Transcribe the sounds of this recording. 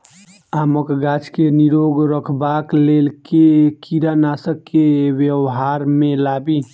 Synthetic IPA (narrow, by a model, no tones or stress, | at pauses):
aːməkɡat͡ʃkeniɾoɡɾəkʰbaklelkekiɾanasəkːewjəwɦaɾmẽlabi